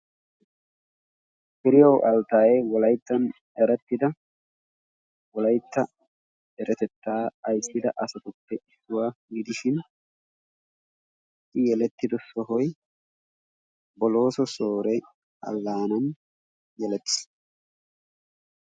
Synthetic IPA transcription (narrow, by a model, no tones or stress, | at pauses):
bɪɾɪjɔʔɐlt̪aːjɛjwɔlɐjt̪ːɐn | ɛɾɛt̪ːɪd̪ɐ | wɔlɐjt̪ːɐ | ɛɾʔɛt̪ɛt̪ːaːɐjsːɪd̪ɐʔɐsɐt̪ʊpːɛʔɪsːʊwaɡɪd̪ɪʃɪn | ɪjɛlɛt̪ːɪd̪ɔsɔɦɔj | bɔlo̞ːsɔso̞ːɾɛ | ɐ̰lːaːnɐn | jɛlɛt̪ːɪ̥s